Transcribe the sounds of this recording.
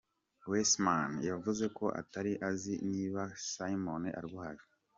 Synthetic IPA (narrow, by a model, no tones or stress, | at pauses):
wesmanjavuze̞ko̞ʔa̰taɾiʔaziniːβasajimoneʔa̰ɾiβuhaɾi